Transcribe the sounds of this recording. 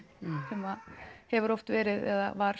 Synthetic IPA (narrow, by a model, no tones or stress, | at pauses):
sɛmaðhɛvʏɾɔft̪vɛːɾɪðɛ̰ða̰vaɾ̥